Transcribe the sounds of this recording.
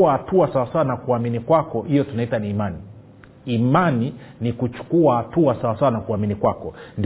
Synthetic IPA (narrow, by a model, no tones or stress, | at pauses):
ahatuasawasawanakuaminikwakɔhijɔtunaitaniːmani | imaninikut͡ʃu̥kuahatuasawasawanakuaminikwakɔnd